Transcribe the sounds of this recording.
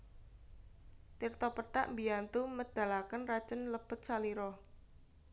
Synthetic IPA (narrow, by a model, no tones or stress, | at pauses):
t̪irt̪ɔpəʈa̰ʔmbiant̪uməd̪̥a̤lakənrad̥ʒ̥ənləb̥ə̤t̪̚saliɾɔ